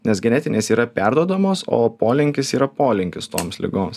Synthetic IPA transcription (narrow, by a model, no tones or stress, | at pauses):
nʲɛsɡʲɛnʲɛt̪ʲɪnʲeːsiːɾɐpʲæˑɾd̪uɔd̪ɐmoːso̰ːpoːlʲɪŋʲkʲɪsiːɾɐpoːlʲɪŋʲkʲɪst̪oːmslʲɪ̰ɡoːms